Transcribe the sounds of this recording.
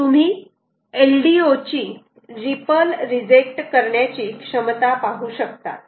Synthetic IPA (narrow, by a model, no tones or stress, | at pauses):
t̪um̤iː | elɖiot͡ɕiː | ɾipəlɾid͡ʑek̚ʈkəɾɳjat͡ɕiːkʂəmt̪apaɦuːɕəkt̪a̰